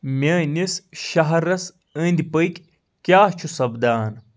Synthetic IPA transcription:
mʲeːnisʃɐɦɐɾɐs | əːnd̪ipəjkʲ | kʲjaːht͡ʃʰusɐbd̪aːn

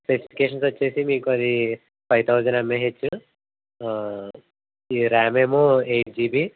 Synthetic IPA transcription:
plesi̥pi̥keːʂɐnsʋɐt͡ʃːeːsimiːkuɐd̪i | pʰɐjt̪ʰɐwd͡ʒɐnɐmːeɦet͡ʃːu | iɾaːmeːmoːejʈ̚d͡ʒiːbi

